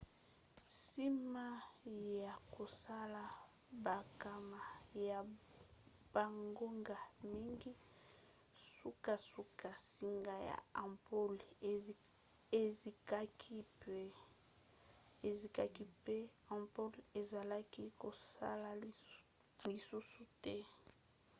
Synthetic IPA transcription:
si˦ma˦ja˨ko˨sa˦la˨ | ba˨ka˨ma˨ja˨ | b̥a˨ŋɡo˦ŋɡa˨mi˦ŋɡi˦ | su˦ka˦su˦ka˨si˦ŋɡa˦ja̰˨a˨po˦l | e˨zi˨ka˦kʰi˦pe˦ | e˨zi˨ka˦ki˦pe˦ã˨mpo˦le˨za˨la˦ki˦ko˨sa̰˦la˨ | li˨su˦su˨tɛ˦

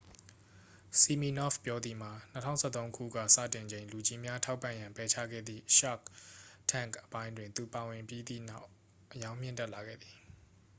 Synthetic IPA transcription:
si˨mi˨nɔ̰˦˨fpjɔ˦d̪ði˨m̥a˨nətʰã̰˦ʊ̃sʰɛ˦˨t̪õ˦ʊ̃kʰṵ˦˨ɡä̰˦˨sä̰˦˨tɪ̃˨ɲd͡ʑẽ˨ɪ̃lu˨d͡ʑi˦mja˦tʰa˦ʊpːã˦˨jã˨mpɛ˨˦t͡ɕʰä̰˦˨ɡɛ̰˦˨d̪ðḭ˦˨ʔʃa̰˦˨ktʰã̰˦˨ŋkʔəpã˦ɪ̃ndwɪ̃˨nt̪u˨pa˨wɪ̃˨mpji˦d̪ḭ˦˨na˦ʊ | ʔəjã˦ʊ̃m̥jɪ̰̃˦˨ntɛ˦ʔla˨ɡɛ̰˦˨d̪ði˨

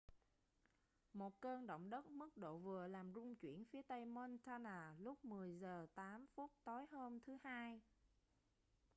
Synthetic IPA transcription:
mo˨˩t̚kəː˧nɗə̰˧˨wŋ͡mɗə˦˥t̚mɨ˦˥k̚ɗo̰˧˨vɨ˨˩əlaː˨˩mzʊ˧ŋ͡mt͡ɕwḭ˧˩ənfi˨˦ət̪ə˧jmo˧nt̪ʰaː˧naː˨˩lʊ˦˥k͡p̚mɨ˨˩əjzəː˨˩t̪aː˨˦mfu˦˥t̚t̪o˨˦jhəː˧mt̪ʰɨ˨˦haː˧j

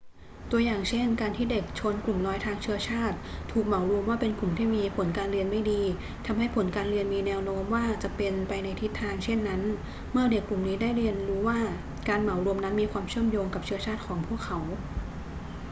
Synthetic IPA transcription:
t̪u˧əjaː˨˩ŋt͡ɕʰe˥˩nkaː˧nt̪ʰiː˥˩de˨˩k̚t͡ɕʰo˧nklu˨˩mnɔː˦˥jt̪ʰaː˧ŋt͡ɕʰɯ˥ɐt͡ɕʰaː˥˩t̪̚ʰːuː˨˩k̚ma˩˦wɾu˧əmwaː˥˩pe˧nku˨˩mt̪ʰiː˥˩miː˧pʰo˩˦nkaː˧nɾi˧ənma˥˩jdiː˧ | t̪ʰa˧mɦa˥˩jpʰo˩˦nkaː˧nɾi˧ənmiː˧nɛː˧wnoː˦˥mwaː˥˩t͡ɕa˨˩pe˧npa˧jna˧jt̪ʰi˦˥t̪ʰːaː˧ŋt͡ɕʰe˥˩nːa˦˥n | mɯ˥˩ɐde˨˩kːu˨˩mniː˦˥daː˥˩jɾi˧ənɾuː˦˥waː˥˩ | kaː˧nma˩˦wɾu˧əmna˦˥nmiː˧kʰwaː˧mt͡ɕʰɯ˥˩əmjoː˧ŋka˨˩p̚t͡ɕʰɯ˦˥ɐt͡ɕʰaː˥˩t̪̚kʰɔː˩˦ŋpʰu˥˩əkʰːa˩˦w

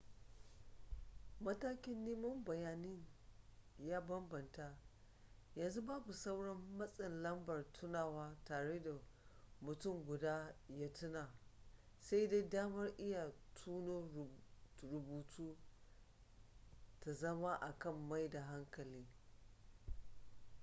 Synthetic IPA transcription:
mɐ˦taː˦kʲɪ˦nːiː˦mʊ˦mbɐ˨jaː˨nɪ˦ɲ | jaː˦bɐ˦mbɐ˨nta˦ʔ | jɐ˨nzu˦baː˦bu˨sa˦wɽɐ˦mːɐ˦sʼɪ˨nlɐ˦mbɐ˨rtʰʊ˦naː˨waː˦taː˨ɽeː˦da˨mʊ˨tʊ˦˨ŋɡʷʊ˨daː˦jaː˦tʊ˦naː˨ | sa˦jda˦jdaː˦mɐ˦rʔɪ˦ja˨tʰuː˦noː˦ | ɾʊ˨buː˨tʰuː˦ | ta˨zɐ˦ma˦ʔa˨kɐ˦˨mːa˦jda˨ɦa˦ŋkɐ˨liː˦

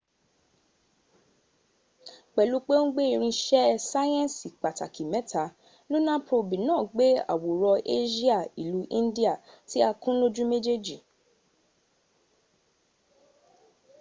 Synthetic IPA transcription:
k͡pɛ˨lu˨˦k͡pe˦ŋ̩˦ɡ͡be˦i˧ɾ̃ĩ˧ʃɛ˦sa˦jɛ̃˦˨si˨k͡pa˨ta˨ki˨mɛ̃˨˦ta˨˦ | lu˦nã˦pɾo˧bi˨nãː˦˨ɡ͡be˦a̰˦˨wo˨ɾɔ˧ʔe˦ʃi˦a˦˨i˨lu˨˦ʔĩ˦n˦di˦a˦˨ti˦a˧kũ˦lo˦d͡ʒũ˦me˦d͡ʒe˦d͡ʒi˨

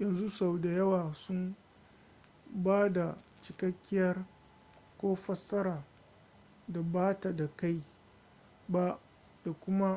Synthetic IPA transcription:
jɐ˨nzu˦sa˨wda˨jɐ˦waː˨sʊ˦m | baː˦da˨ | t͡ʃɪ˨kɐ˦kʲːɪ˦jɐ˦r | kʷoː˦ɸɐ˦sɐ˦ɾaː˨ | da˨baː˦ta˨da˨ka˦j | ba˦ʔ | d̥a˨kʷʊ˦ma˦

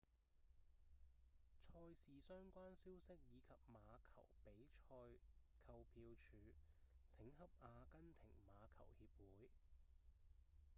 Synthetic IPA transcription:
t͡ʃʰɔː˧jsiː˨sœː˥ŋkʷaː˥nsiː˥wsɪ˥k̚jiː˨˧kʰɐ˨p̚maː˨˧kʰɐ˨˩wpe˨˥jt͡ʃʰɔː˧jkʰɐ˧wpʰiː˧wt͡ʃʰyː˨˥t͡sʰɪ˨˥ŋhɐ˥p̚aː˧kɐ˥nt̪ʰɪ˨˩ŋmaː˨˧kʰɐ̰˨˩whiː˧p̚wuː˨˥j

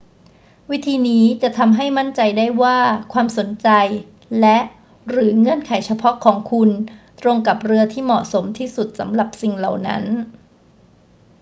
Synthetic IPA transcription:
wi˦˥t̪ʰiː˧niː˦˥t͡ɕa˨˩t̪ʰa˧mɦa˥˩jma˥˩nt͡ɕa˧jdaː˥˩jwaː˥˩kʰwaː˧mso˨˩˦nt͡ɕa˧j | lɛ˦˥ʔ | ɾɯː˩˦ŋɤ˥˩ənkʰa˩˦jt͡ɕʰa˧pʰɔ˦˥kʰɔː˩˦ŋkʰu˧nt̪ɾo˧ŋka˨˩p̚ɾɯ˧ɐt̪ʰiː˥˩mɔ̰˨˩ʔso˩˦mt̪ʰiː˥˩su˨˩t̪̚sa˩˦mɾa˨˩p̚si˨˩ŋla˨˩wna̰˦˥n

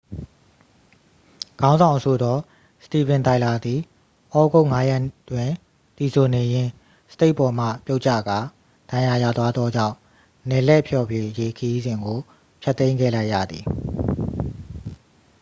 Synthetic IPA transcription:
ɡ̥ã˦ʊ̃nzã˨ʊ̃sʰo˨d̪ɔ˦ | sə̥ti˨bɪ̃˨nt̪a˨ɪ̃˨la˨d̪ði˨ | ʔɔ˦ɡo˦ʊʔŋa˦jɛ˦˨tːwɪ̃˨ | t̪i˨sʰo˨ne˨jɪ̃˦ | sə̥te˦ɪʔpɔ˨m̥ä̰˦˨pjo˦ʔt͡ɕä̰˦˨ɡa˨ | d̥ã˨ja˨ja̰˦˨t̪wa˦d̪ðɔ˦d͡ʑã̰˦˨ʊ̃ | nɛ˨lɛ˦ʔpʰjɔ˨bje˦˨ʔəje˦kʰə˦ji˦zɪ̃˨ŋɡo˨ | pʰjɛ˦t̪ːẽ˦ɪ̃ŋɡɛ̰˦˨la˦ɪʔja̰˦˨d̪ði˨

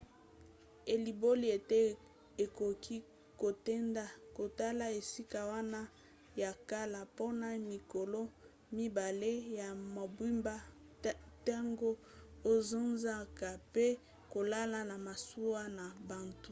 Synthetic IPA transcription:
e˨li˨bo˦li˨e˨te˦ | e˨ko˨kʰi˦ | ko˨te˦nda˦ko˨ta˦la˦e˨si˦ka˨wa˦na˦ | ja˨ka˦la˨po˦na˨mi˨ko˨lo˦ | mi˦ba˨le˦ja˨ma˨bwi˦mba˦ | ta˦ŋɡo˦ | o˦zo˦nza˦ka˨pe˦ | ko˨la˦la˨na˨ma˨su˦wa˦na˨ba˨ntu˦

